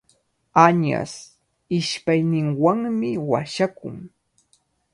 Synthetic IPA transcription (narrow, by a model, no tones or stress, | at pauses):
aɲa̰s | ɪʃpajnɪŋwaŋmɪwaʃakʊ̰ŋ